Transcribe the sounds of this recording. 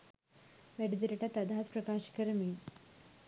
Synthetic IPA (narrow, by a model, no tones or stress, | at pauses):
ʋɛɖd͡ʑɾeʈat̪əd̪ʱat͡spɾəkaɕə̥kəɾmiː